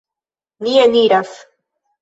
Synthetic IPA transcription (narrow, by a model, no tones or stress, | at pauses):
nieniɾas